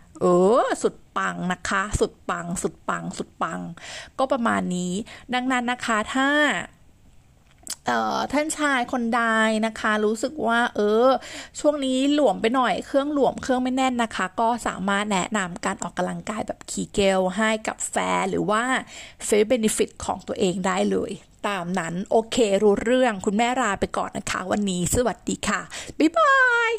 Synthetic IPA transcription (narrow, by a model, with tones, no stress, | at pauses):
ʔɤː˧˩su˨˩t̪̚pa˧ŋna˦˥kʰa˦˥su˨˩t̪̚pa˧ŋsu˨˩t̪̚pa˧ŋsu˨˩t̪̚pa˧ŋkɔː˥˩pɾa˧ma̰ː˧nːiː˦˥da˧ŋna˦˥nːa˦˥kʰa˦˥t̪ʰaː˥˩ | ʔɤː˨˩t̪ʰaː˥˩nt͡ɕʰaː˧jkʰo˧ndaː˧jna˦˥kʰa˦˥ɾuː˦˥sɯ˨˩k̚waː˥˩ʔɤː˧t͡ɕʰu˥˩əŋniː˦˥lu˨˩˦əmpa˧jnɔ˨˩jkʰɯ˥˩əŋlu˨˩˦əmkʰɯ˥˩əŋma˥˩jnɛ˥˩nːa˦˥kʰa˦˥kɔː˥˩sa̰ː˩˦maː˥˩t̪̚nɛ̰˦˥na˧mkaː˧nʔɔ̰ː˨˩kːa˧mla˧ŋkaː˧jbɛ̰ː˨˩p̚kʰiː˨˩ke˧˥wɦa˥˩jka̰˨˩p̚fɛ̰ː˦˥ɾɯː˩˦waː˥˩fe˦˥be˧ne˧fi˨˩t̪̚kʰɔ̰ː˩˦ŋt̪u˧ɐʔeː˧ŋdaː˥˩jlɤ̰ː˧j | t̪aː˧mna˦˥nʔoː˧kʰeː˧ɾuː˦˥ɾɯ˥˩əŋkʰu˧nmɛː˥˩ɾaː˧jpa˧jkɔ̰ː˨˩nːa˦˥kʰa̰˦˥wa˧nːiː˦˥sa˧wa˨˩t̪̚diː˧kʰa˥˩pa˧˩jbaː˧j